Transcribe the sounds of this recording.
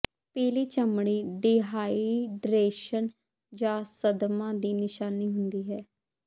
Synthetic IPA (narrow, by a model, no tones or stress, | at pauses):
peːliːt͡ʃəmɽ̃iːɖiɦaːiɖɾeːʃən | d͡ʒãːsəd̪mãːd̪iːnɪʃaːniːɦʊnd̪iːɦɛː